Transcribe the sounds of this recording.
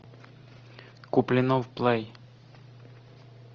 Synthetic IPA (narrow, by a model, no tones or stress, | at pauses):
kʊplʲɪnovplˠɛj